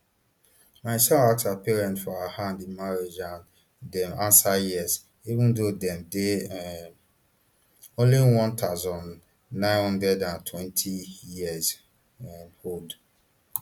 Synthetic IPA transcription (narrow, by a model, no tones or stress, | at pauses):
maɪsɛlak̚sapiɹɛ̃ntfɔahãndĩmaɹed͡ʒãn | dɛ̃mãnsajiz | ivũndodɛ̃mde | õnliwɔ̃ntʰazɔ̃nː | ãɪ̃nhɔ̃ndɹɛdãntʰwɛ̃ntʰijiəz | hod